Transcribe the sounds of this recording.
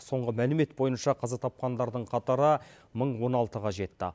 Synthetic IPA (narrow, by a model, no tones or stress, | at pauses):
so̞ɴʁəmælɪme̞t̪̚bo̞jənʃɑqʰɑzɑt̪ʰɑp̚qɑnd̪ɑɾd̪əɴqʰɑt̪ɑɾə | məɴwo̞nɑlˠt̪əʁɑʒe̞t̪ːɪ̰